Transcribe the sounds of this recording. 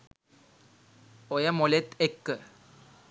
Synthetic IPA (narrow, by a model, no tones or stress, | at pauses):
ojamolet̪ekːə